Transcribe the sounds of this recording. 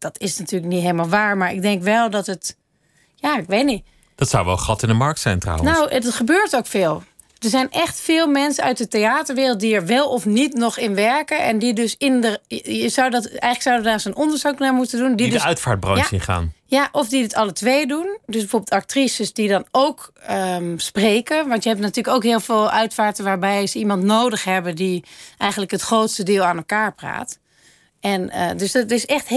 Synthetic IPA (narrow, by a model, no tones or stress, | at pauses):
d̥ɔtɪsnatyːləknitɦeːlˠmaːlˠʋaːɹmaɹɪ̰ɡ̚dɛŋkʋɛlˠdɔtət | jaɪkʋetni | d̥ɔtsa̰wʋɛ̰lˠχɑtɪndəmɑɹk̚tsɛjntra̰wənowdɔtχəbøːɹtowkfeːlˠ | d̥əɹzɛjnʔɛxtfɪːlˠmɛnsəœɥt̚dəteaːtəɹʋɪːrl̩ˠt̚diɛɹʋɛlˠɔfnitnɔχɪnʋɛɹkəɛndidøsɪndəəsawdɔtɛjxləksawdədaːsənɔndəɹzaknamutəndundidœɥtfa̰ːɹt̚brɔ̰ɪ̰χa̰ːnjaʔɔfdidɪtʰɑlətʋejdundøs̬bəfoːbɪlˠtak̚trisəsdidɔnowkəspreːkəʋɑntjəɦɛp̚natyːləkoːkɦɪːlˠfeːlˠœɥtfaːɹtəʋaːɹbɛjzəimɑntnoːdəxɦɛbədiʔɛjɣəntləkɦətxroːtstədɪːlˠaːnɛlˠkaːɹpra̰ːt | ɛnədøsdtɪsɛxt